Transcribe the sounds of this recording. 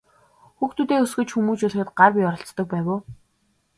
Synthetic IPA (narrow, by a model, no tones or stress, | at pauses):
xuxt̪uːt̪eːɵsɡɵ̆t͡ɕxumuːt͡ɕuːɮ̆xɘ̆t̪̚ɢarpiɔɾɞ̆ɬt͡st̪ɞ̆k̚pæːwoː